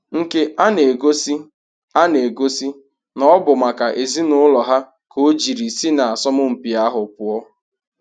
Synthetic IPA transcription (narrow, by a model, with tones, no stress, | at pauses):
ŋ̩˨ke˦ʔa˦ne˨ɡo˦si˦ | a˦ne˨ɡo˦si˦ | nɔ˦bʊ˨ma˨ka˨ʔe˨zi˦nʊ˦lɔ˨ɦa˦ | ko˦d͡ʒi˨ɾi˨si˦na˨a˨sɔ˦mʊ˦m̩˨pi˨a˦ɦʊ˨pʊ˨ɔ˦